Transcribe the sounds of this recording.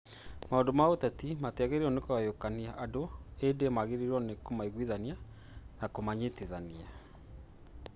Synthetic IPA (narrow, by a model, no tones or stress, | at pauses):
maondomaotɛtimateaɣeɾiɾɔnekoajokaniaʔado | edemaɣeɾiɾɔnekomaiɣwiðania | nakomaɲeteðania